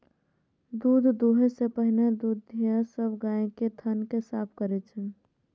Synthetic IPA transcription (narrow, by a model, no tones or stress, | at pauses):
d̪uːd̪ʱd̪uɦesepəɦined̪ud̪ːijasəbʱɡaẽket̪ʰənkesapʰkəɾɛt͡ʃʰə